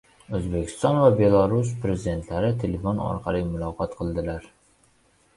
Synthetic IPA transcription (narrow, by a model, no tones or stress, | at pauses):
øzbekʲʰi̥st̪ɑnvɛbelˠɑɾus̬pɾezid̪ent̪ʰlæɾɪt̪ʰelefonɒ̰ɾqʰɑlˠɨmʊlˠɑːqʰɑt̪qʰəlˠd̪ɪlæɾ